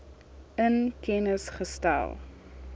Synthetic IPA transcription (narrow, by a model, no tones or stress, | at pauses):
ənkɛnəsχəstæ̰lˠ